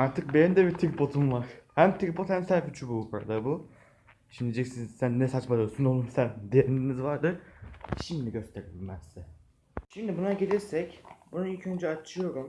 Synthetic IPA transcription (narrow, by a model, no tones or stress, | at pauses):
aɾt̪ʰɯk̚benimd̪ɛbit̪ʰik̚bʰo̞t̪ʰumvaɾ̥hæmt̪ʰik̚bʰot̪hæmsæɾfyt͡ʃʰybukʰaɾa̰d̪abu | ʃimd̪id͡ʒɛcsinsænːɛsat͡ʃmad̪osynolˠumsænd̪ijeɾininizvaɾd̪ɯʃimd̪iɟø̞st̪ʰeɾebiilʲmæz̥ːɛ | ʃimd̪ibunaɟed͡ʒɛɾsɛcbunuilʲcʰø̞nd͡ʒɛat͡ʃʰɯjo̞ɾum